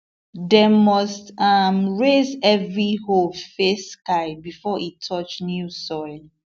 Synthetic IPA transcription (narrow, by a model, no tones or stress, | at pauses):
demɔstamɹezɛvɹihofeskaɪbifɔʔitʰɔt͡ʃnjusɔɪ